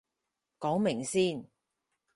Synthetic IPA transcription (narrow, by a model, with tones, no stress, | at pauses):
kɔː˨˥ŋmɪ˨˩ŋsiː˥˩n